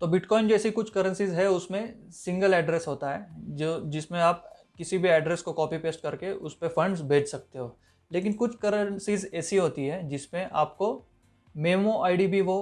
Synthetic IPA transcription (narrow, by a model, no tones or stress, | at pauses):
t̪oːbɪʈkɔːɪ̃nd͡ʒɛːsikʊt͡ʃʰkɐɾə̃nsizɦɛʊsmẽsɪ̃ŋɡəlɛːɖɾɛsɦoːt̪aɦɛːod͡ʒɪsmẽaːp̚ | kɪsibʱiɛːɖɾɛskokɔːpipeːsʈ̚kɐɾkeʔʊspefɐ̃ɳɖzbʱeːt͡ʃʰsɐk̚t̪eɦoː | leːk̬ɪnkʊt͡ʃʰkɐɾənsiːzɛːsiɦoːt̪iɦɛd͡ʒɪsmẽʔaːp̚ko | meːmoʔaːɪɖibʱiʋo